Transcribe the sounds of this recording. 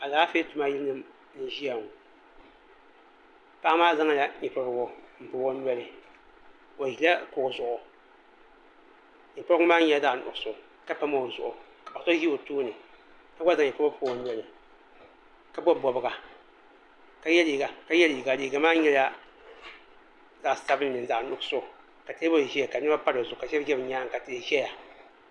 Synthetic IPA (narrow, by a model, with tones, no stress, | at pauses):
a˨zaː˨˦fe˦tʊ˨ma˦ji˦lnɨ˦m | ni˨ʒi˦a˨ŋ˨ | pa˦ʔa˦maː˦za˦ŋa˦la˨ɲi˨pa˨˦ɾɡɔ˨m̩˨pɨ˨˦ɔ˦n˦ɛ˦lɪ˨ | o˨hi˨la˦kʊ˨kzʊ˨ʔʊ˨ | ɲi˨pa˦ɾŋ˦maː˦ɲɛ˦daː˨nʊ̰˨sʊ˨ | ka˦pa˦ma˦˨o˨zʊ˨ʔʊ˨ | ka˨o˨sɔ˦ji˦o˨toː˦nɨ˨ | ka˦ɡʷa˦zã˨ɛ˨kɔ˦ɔ˦pʰːwɔ˨n˦˨ɛ˨lɪ˨ | ka˦bɔ˦˨bɔ˨bɨ˨ka˨ | ka˦jɛ˦li˨ɡa˨ka˦jɛ˦li˨ɡa˨liː˨ɡa˨maː˦ɲɛ˦la˦ | za˨sa˦bnɪ˨nɪ̃˨n̩˨a˨nʊ˨ksʊ˦˨ | ka˨tʰe˦bɔ˦˨i˨hɛ˦˨ka˨˦ɪ˦a˦pa˦ɾɪ˨zʊ˨ka˨ʃɛ˦d͡ʒɛ˦bɲãː˦ŋ˨ka˨te˨e˨ʃɛ˦ja˨